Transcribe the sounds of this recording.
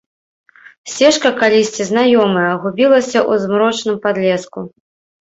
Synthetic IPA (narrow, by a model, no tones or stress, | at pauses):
sʲɛʂkɐkalʲisʲt͡sʲiznajɔmɐjɐɣubʲilˠɐsʲɐʔuzmɾɔt͡ʂnɨmpad̪lʲɛsku